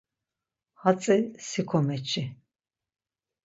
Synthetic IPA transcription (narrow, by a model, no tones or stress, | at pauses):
hat͡sʼisikʰɔmɛt͡ʃʰʼi